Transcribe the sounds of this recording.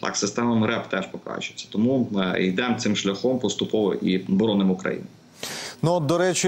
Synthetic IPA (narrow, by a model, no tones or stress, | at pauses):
t̪ɑ̰ksɪst̪ɛmɐmɾɛpt̪ɛʃpɔkɾɑ̰t͡ʃʊe̥t͡sʲːɐ̥t̪ɔmujd̪ɛmt̪sɪmʃlʲɐxɔmpɔst̪ʊpɔʋɔ̰ʔibɔɾɔnɪmʊkɾɐ̰jḭn | nuɔd̪ɔɾɛt͡ʃɪ